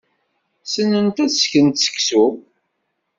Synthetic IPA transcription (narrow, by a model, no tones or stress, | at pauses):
sənːənt̪æsçənt̪sə̥kːsu